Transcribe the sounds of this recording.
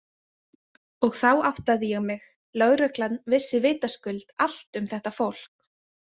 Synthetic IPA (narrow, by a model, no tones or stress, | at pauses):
ɔɣθawaht̪aðɪjɛɣmɪɣ | lœɣɾœklat̪nvɪsːɪvɪːt̪askʏlt̪al̥t̪ʏmθɛht̪afowl̥k̚